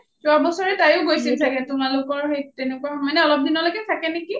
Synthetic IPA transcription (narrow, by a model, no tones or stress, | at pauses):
zʊabɔsɔɹɛtajʊɡojsilsaɡɛtʊmalʊkɔɹɦejtenɛkuaxɔmɔjnɛɔlɔp̚dʱinɔlojkɛtʰakɛneki